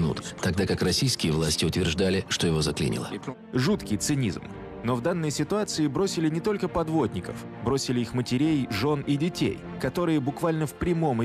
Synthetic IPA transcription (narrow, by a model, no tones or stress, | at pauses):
nṵt̪t̪ɐɡ̚d̪akakrɐsʲijskʲɪjəvlˠasʲtʲɪʊt̪vʲɪrʐd̪alʲɪʂt̪ojɪvo̞zɐklʲḭnʲɪ̰lˠə̰ | ʐut̪kʲɪjt̪sɨnʲḭzm | no̞vd̪anːəjsʲɪt̪ʊat̪sɨɪbɾosʲɪlʲɪnʲɪt̪o̞lʲkəpɐd̪vo̞d̪ʲnʲɪkə̰f | bɾo̞sʲɪlʲɪixmətʲɪɾʲejʐo̞nɪdʲɪtʲḛj | kɐt̪o̞ɾɨjəbʊkvalʲnəfpɾʲɪmo̞m